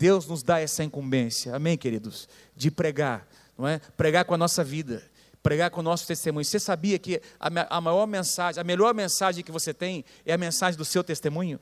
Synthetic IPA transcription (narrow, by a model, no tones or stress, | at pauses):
d̪̥ewznʊzd̪aɛsɐĩkũmbẽsjɐamẽj̃keɾid̪ʊs | d͡ʒɪpɾeɡaɾ | nɐ̃w̃ɛpɾeɡaɾkõɐnɔsɐvid̪ɐ | pɾeɡaɾkõʊnɔsʊ̥t̪est̪emũɲʊsesabiɐkɪɐ̰maʔɐmajɔɾmẽsaʒẽɐmeʎɔɾmẽsaʒẽj̃kɪvoset̪ẽj̃ | ɛɐmẽsaʒẽj̃d̪ʊsewt̪est̪emũɲʊ